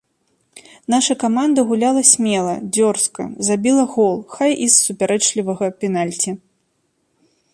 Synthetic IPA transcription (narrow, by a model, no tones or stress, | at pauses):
naʂɐkamand̪ɐɣulʲalˠɐsʲmʲɛlˠɐd͡zʲɔrskɐ̰zabʲilˠɐɣɔlˠxajisːupʲaɾɛt͡ʂlʲivɐɣɐpʲɛnalʲt͡sʲi